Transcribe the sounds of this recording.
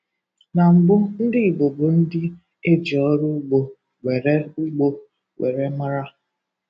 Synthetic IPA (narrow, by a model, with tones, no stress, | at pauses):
na˨ŋ͡m̩˨ɡ͡bʊ˦n̩˦dɪ˦i˨bo˨bo˨n̩˦dɪ˦ | e˦d͡ʒi˨ɔ˦ɾʊ˦ɡ͡bo˨ | ɡʷe˨ɾe˦u˦ɡ͡bo˦ | wʷḛ˨ɾe˦ma˦ɾa˦